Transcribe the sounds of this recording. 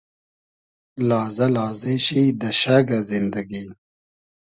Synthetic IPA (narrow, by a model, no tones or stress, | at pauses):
laːzɐlaːzeɕiːd̪ɐɕaɡazind̪ɐɡi